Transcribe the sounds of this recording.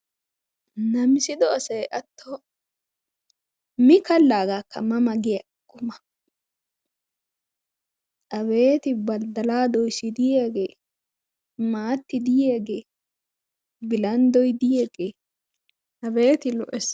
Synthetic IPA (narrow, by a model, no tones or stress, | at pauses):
nɐmɪsɪd̪ɔɐsɐjʔɐt̪ʰːɔ | mɪkɐlːaːɡakːɐ̰mɐmɐɡɪjɐ | kʼːʊmɐ | ʔɐβe̞ːt̪ɪbɐld̪ɐlaːd̪ɔjsɪd̪ɪjeːɡeː | maːt̪ːɪd̪ɪjeːɡeː | bɪlɐnd̪ɔjd̪ɪjeːɡeː | ʔɐbeːt̪ɪlɔʔɛs